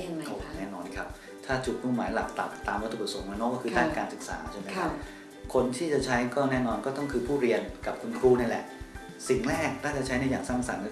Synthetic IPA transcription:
nɛː˥˩nɔː˧nkʰa˦˥p̚ | t̪ʰaː˥˩t͡ɕu˨˩t̪̚muː˥˩maː˩˦jla˨˩k̚t̪a̰˨˩p̚t̪aː˧mwa˦˥t̪ʰu˨˩pɾa˧˩so˩˦ŋmaː˧˩nː˦˥˩kɔː˥˩kɯː˧daː˥˩nkaː˧nsɯ˨˩k̚sa̰ː˩˦t͡ɕʰe˥˩nma˦˥a˦˧˥p̚ | kʰo˧nt̪ʰiː˥˩t͡ɕa˨˩t͡ɕʰa˦˥jkɔː˥˩nɛː˥˩nɔː˧nkɔː˥˩t̪ɔ˥˩ŋkʰɯː˧pʰuː˥˩ɾi˧ənka˨˩p̚kʰu˧nkʰɾuː˧˩na˥˩nlɛ̰˨˩ʔ | si˨˩ŋɾɛː˥˩k̚t̪ʰaː˥˩t͡ɕa˨˩t͡ɕʰa˦˥jda˥˩jaː˨˩ŋsaː˥˩ŋsa̰˨˦n˧˥˩

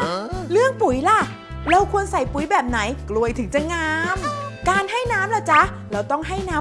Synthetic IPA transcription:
lɯ˥˩əŋpu˨˩˦jla˧˩ | ɾa˧wkʰu˧ənsa˨˩jpu˨˩˦jbɛː˨˩p̚na˩˦jklu˧əjt̪ʰɯ˨˩˦ŋt͡ɕa˧˩ŋaː˧mkaː˧nɦa˥˩jnaː˦˥mla˧˩t͡ɕa˦˥ | ɾɛ˧wt̪ɔ˥˩ŋɦa˥˩jnaː˦˥

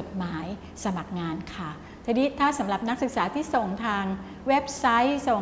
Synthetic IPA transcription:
o˨˩t̪̚maː˩˦j | sa˧ma˨˩k̚ŋaː˧nkʰa˥˩ | t̪ʰa˧niː˦˥t̪ʰaː˥˩sa˩˦mɾa˨˩p̚na˦˥k̚sɯ˨˩k̚saː˩˦t̪ʰiː˥˩so˨˩ŋt̪ʰaː˧ŋ | we˦˥p̚sa˦˥jso˨˩

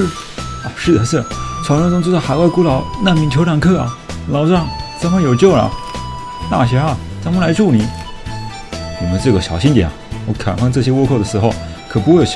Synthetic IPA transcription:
ɐ˧ʂɻ̩˥˩d̪ə˩ʂɻ̩˥˩t͡ɕʰɑ˧˥ʊʈ͡ʂɔ˥ŋʈ͡ʂʊ˥ŋt͡su˥t͡sa˥˩xa˨˩ɪwa˥˩ɪku˥lɑ˨˩ʊna˥˩nmi˧˥ŋt͡ɕʰo˧ʊlɑ˨˩ŋkʰɤ˥˩ɐ̰˩lɑ˨˩ʊʈ͡ʂɑ˥˩ŋt͡sa˧˥mə˥jo˨˩ʊt͡ɕjo˥˩ʊlɐ̰˨˩ | t̪a̰˥˩ɕɥɛ˧˥ɐ˧ | t͡sa˧˥mə˥la˧˥ɪʈ͡ʂu˥˩ni˨˩˦ | wɔ˨˩mə˧˦nʈ͡ʂɤ˥˩ɡə˩ɕjɑ˨˩ʊɕi˥nt̪ɛ˨˩nɐ˨wɔ˧˥kʰa̰˨˩nfɑ˥˧ŋʈ͡ʂɤ˥˩ɕ̬jɛ˥wɔ˥˧kʰɔ˥˩d̪ə˩ʂɻ̩˧˥xo˥˧ʊ | kʰɤ˨˩pu˧˥xwe˥˩j

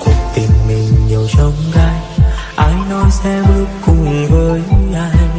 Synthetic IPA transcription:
ku˨˩ək̚t̪ï˨˩ŋ̟mi˨˩ŋ̟ɲi˨˩əwt͡ɕə˧˦wŋ͡mɣaː˧jʔa˨˧˦ŋnɔ˨˦jsɛ˧˥mlɨ˦kku˧˩˨vəː˧˩jla˧˦

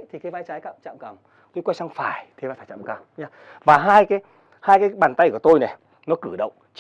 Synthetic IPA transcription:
t̪ʰi˨˩kaː˨˦vaː˧jt͡ɕaː˨˦jka̰ː˧˨mt͡ɕa̰ː˧˨mkə˨˩m | t̪o˧jkwaː˧˦jsa˧ŋfaː˧˩jt̪ʰe˨˦vaː˧˩faː˧˩jt͡ɕa̰ː˧˨mka˨˩mɲaː˧˦ | vaː˨˩ɦaː˧jkaː˨˦j | haː˧jkaː˨˦jɓaː˨˩nt̪a˧jku˧˩ət̪o˧jnɛ˨˩ | nɔ˨˦kɨ˧˩ɗə̰˧˨wŋ͡mt͡ɕ

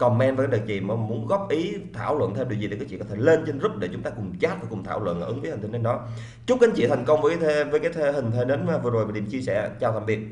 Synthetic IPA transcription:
kɔ˨˩mɛ˧nva˨˩kːɗk̚t͡ɕḭ˧˨mɔ˨˦mu˨˦ənɣɔ˦˥p̚ʔi˨˦t̪ʰa̰ː˧˩wlwə̰˧˨nt̪ʰwi˨˩zi˨˩i˨˩kːaː˨˦t͡ɕḭ˧˨kːɔ˧˩t̪ʰle˧nt͡ɕe˧nzʊ˦˥k͡p̚ɗe˧˩t͡ɕʊ˨˦ŋ͡mt̪aː˧kʊ˨˩ŋ͡mt͡ɕaː˨˦˥t̚vaː˨˩kʊ˨˩ŋ͡mt̪ʰaː˧˩wlwə̰˧˨nʔʔɨ˨˦ŋvə˨˦hi˨˩ŋ̟t̪ʰːe˨˦nɗɔ˨˦ | t͡ɕʊ˦˥k͡p̚ʔa˨˦nt͡ɕḭ˧˨t̪ʰa˨˩jŋ̟kə˧wŋ͡mvəː˨˦ka˨˦t̪ʰe˨˦və˨˦kaː˨˦jt̪ʰe˨˦hï˨˩ŋ̟t̪ʰe˨˦ɗe˨˦nmaː˨˩vɨ˨˩əzo˨˩jɗi˧˩mt͡ɕi˧əsɛ̰˧˩t͡ɕaː˧˩t̪a̰˧˩mɓi˨˩ət̚

